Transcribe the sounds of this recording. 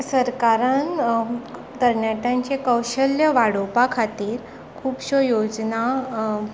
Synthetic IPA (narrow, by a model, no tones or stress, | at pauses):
səɾkaɾan | d̪əɾɳjaʈ̪ãɲt͡ɕekəwɕəljəʋaɽopakʰat̪iːɾ | kʰuːpɕojod͡zna